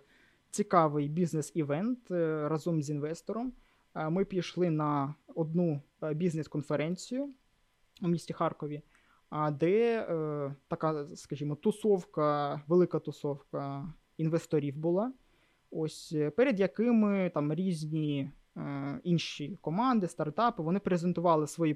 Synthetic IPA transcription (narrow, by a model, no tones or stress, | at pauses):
t͡sʲikɑʋɪjbʲiznesiʋɛnt̪rɐzɔmzʲinʋɛst̪ɔɾɔm | mɪpʲijʃlˠɪnɐɔd̪nu | bʲizneskɔnfeɾɛnʲt͡sʲijʊ | umʲisʲtʲixɑrkɔʋʲi | d̪ɛ | t̪ɐkɑskɐʒʲimɔt̪ʊsɔwkɐʋelˠɪkɐt̪ʊsɔwkɐ | inʋest̪ɔɾʲiwbʊlˠɑ | osʲpɛɾʲed̪jɐkɪmɪt̪ɑmɾʲizʲnʲi | inʃʲikɔmɑnd̪ɪst̪ɐrt̪ɑpɪʋɔnɪpɾezent̪ʊʋɑlˠɪsʋɔji